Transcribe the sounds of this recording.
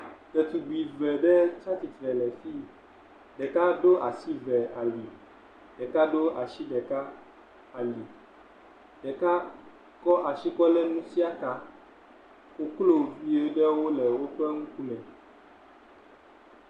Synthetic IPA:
t̪ɛ˨t̪u˨ɡ͡bi˨vɛ˨ɖɛ˦t͡ʃa˦t̪i˨t̪ɾɛ˨lɛ˨fi˦ | ɖɛ˨ka˦ɖo˦ʔa˨si˦vɛ˨a˨li˨ | ɖɛ˨ka˦ɖo˦ʔa˨ʃi˦ɖɛ˨ka˦ | a˨li˨ | ɖ̥ɛ˨ka˦ | kɔ˦ʔa˨ʃi˦kɔ˦lɛ˦nũ˦si˦a˦ka˨ | wo˦klo˦vi˦e˦ɖɛ˦wo˦lɛ˨wo˦k͡pɾɛ˦ŋũ˦ku˦mɛ̃˨

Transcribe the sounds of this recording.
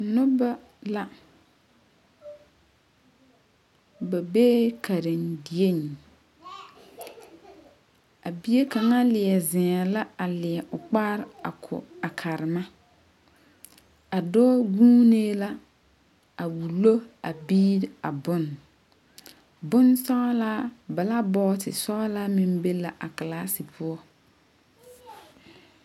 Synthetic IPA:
nʊ˦ba˦ | la˦ | ba˨beː˦ka˨ɾɪ˨ndi˨e˦ɲi˨ | a˨bi˦je˦ka˨ŋa˦lɪ˨ɛ˨zɪ˨ŋa˨la˦a˨lɪ˨ɛ˨ʔʊ˨k͡pa˦ɾɪ˦a̰˨kʰʊ̰˨a˨kʰa˨ɾɪ˨ma˦ | a˨dɔː˦ɡuː˦neː˦la˦ | a˨wu˨lo˦a˨biː˦ɾa˨bʊ˦n | bʊ˦nsɔ˦a˦la˦ba˨la˦bɔː˦tɪ˨sɔ˦a˦la˦mɪ˦mbe˦la˨ʔa˨ka˨laː˦si˨pʰʊ˦ɔ˦

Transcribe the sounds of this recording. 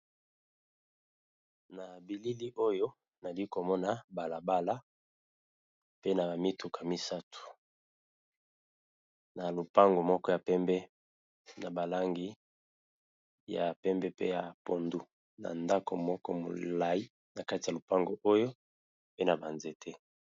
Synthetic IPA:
na˨bi˨li˦li˦ʔo˦jo˦ | na˨li˦ko˨mɔ˦na˨ba˨la˨ba˦la˦ | pe˦na˨ba˨mi˦tu˨kʰa˨mi˦sa˦tʰu̥˨ | na˨lu˨pa˦ŋɡo˨mɔ˦kɔ˦ja˨pɛ˦mbɛ˦ | na˨ba˨la˦ŋɡi˦ | ja̰˨pɛ˦mbɛ˦pe˦ja˨po˨ndu˨ | na̰˨nda˦ko̰˨mɔ˦kɔ˦mo̰˨la˨ji˦ | na˨ka˦ti˨a˨lo˨pa˦ŋɡo˨ʔo˦jo˦ | pe˦na˨ba˨nze˨tʰe˦

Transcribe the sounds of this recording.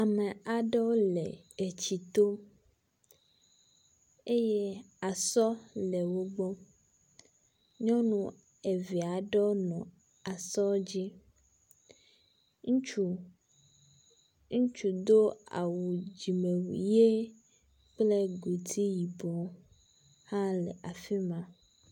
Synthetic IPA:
a˨mẽ˨a˨ɖe˦wo˦le˨ | e˨t͡ɕi˨t̪o˦ | e˦je˦ | a˨sɔ˦le˨wo˦ɡ͡bɔ˦ | ɲɔ̃˦nũ˦ | e˨vi˨a˨ɖɛ˦o˦nɔ̃˨ | a˨sɔ˦d͡ʑi˦ | ŋ̃˦˨ | ŋũ˦t͡ʃu˨d̪o˦a̰˨wu˨d͡ʑi˨me˨wṵ˨je˦ | k͡ple˦ɡo˨t̪ʰi˦ji˨bɔ˨ | hã˦lḛ˨ʔa˨fi˦mã˦

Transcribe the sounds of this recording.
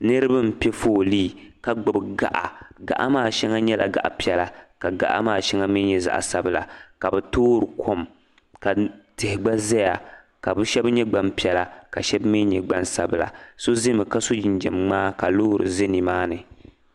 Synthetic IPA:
nɨ˦ɾɨ˦ba˦m̩˨pɛ˦foː˦˨liː˦ka˨ɡ͡bʊ˨bɡa̰˦ʔa̰˨ɡa̰˨ʔa̰˦maː˦˨ʃɛ˦ŋa˦ɲɛ˦la̰˨ɡa̰˨ʔa˨pi˦ɛ˨la˨ka˨ɡa̰˦˨ʔa̰˦maː˦˨ʃɛ˦ŋa˦mi˦ɲɛ˦za̰˨ʔa̰˨sa˦bla̰˨ka˨bɛ˨toː˦ɾɨ˨kʰo˦m | ka˨tɪ˨hɪ˨ɡ͡ba˦zɛ˦ja˨ | ka˨bɨ˦ʃɛ˦bɲɛ˦ɡ͡ba˦mpi˨˦ɛ˨la˨ka˨ʃɛ˦bmi˦ɲɛ˨ɡ͡ba˦nsa˦bɨ˨la̰˨so˦zɪ˦mɨ˨ka˦so˦d͡ʒɪ˨nd͡ʒɛ̰˨mŋ͡maː˦ka˨loː˦˨ɾɨ̰˨zɪ˦ni˨maː˦nɨ˨

